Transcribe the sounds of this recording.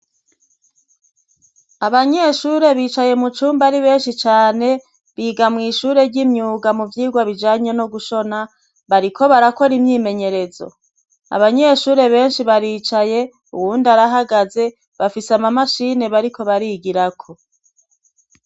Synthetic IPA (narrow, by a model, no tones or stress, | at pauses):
aβaɲe̞ʃuɾe̞βiːt͡ʃaje̞mut͡ʃuːmbaɾiβe̞ːnʃit͡ʃaːne̞ | βiːɡamŋiːʃuːɾe̞ɾɟimɲuːɡamuvjiːɡwaβid͡ʒaːɲenoɡuʃo̞na | βaɾikʰo̞βaɾako̞ɾimɲiːme̞ɲe̞ɾe̞zo̞̰ | a̰βaɲe̞ʃuːɾe̞βe̞ːnʃiβaɾiːt͡ʃaje̞ | uwuːndaɾaɦaɡaze̞ | βafisamamaʃine̞βaɾikʰo̞βaɾiɡiɾakʰo̞